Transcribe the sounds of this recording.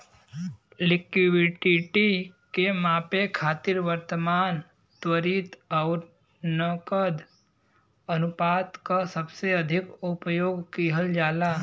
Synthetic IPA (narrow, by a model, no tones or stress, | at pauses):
lɪkibɪʈiʈikemapekʰaːt̪iɾʋəɾt̪əmaːn | t̪ʋəɾit̪əwɾ | nəkəd̪ | ənupat̪kasəbseəd̪ʱɪkʊpjoːɡkiɦəld͡ʒaːla